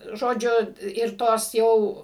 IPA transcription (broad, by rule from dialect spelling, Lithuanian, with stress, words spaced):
ˈʒoːd͡ʒʲʊ ɪr ˈtoːs ˈjɛʊ